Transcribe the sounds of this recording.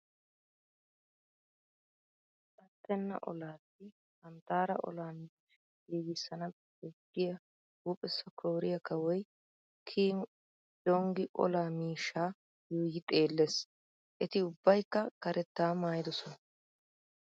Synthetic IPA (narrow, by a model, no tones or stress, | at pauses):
kʼɐt̪ːɛnːɐ̰ʔɔ̰laːtːɪ | hɐnt̪aːɾɐ̰ʔɔ̰laːmiːʃ | ɡiːɡɪsːɐnɐ | bɛkːɪjɐ | huːpʼɛsːɐkʰoːɾɪjɐkɐwɔj | kʰiːm | d͡ʒɔŋɡɪʔɔ̰laːmiːʃːaː | juːjɪt̪ʼe̞ːlːes | ʔɛt̪ɪʊbːɐjkːɐkɐɾɛt̪ːaːmaːjɪd̪ɔsɔnɐ